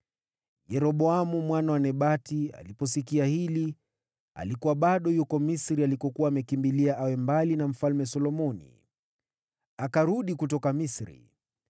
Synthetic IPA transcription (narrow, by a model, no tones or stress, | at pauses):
jɛɾɔɓɔamumwanawanɛɓatia̰lipɔsikiahili | a̰likuwaɓaɗɔjukɔmisɾialikɔkuwaːmɛkimbiliaʔawɛmbalinam̩falmɛsɔlɔmɔnḭ | akaɾuɗikut̬ɔkamisɾḭ